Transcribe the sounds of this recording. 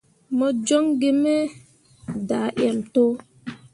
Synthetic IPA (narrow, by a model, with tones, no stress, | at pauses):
mɔ˨d͡ʒo˦ŋɡe˦me˦ | da˨ʔɛ˨mto˦